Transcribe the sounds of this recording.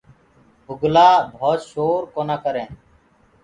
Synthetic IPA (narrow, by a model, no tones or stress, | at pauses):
bʱʊɡlaːbʱoːt̪ʃoːɾkoːnaːkəɾẽː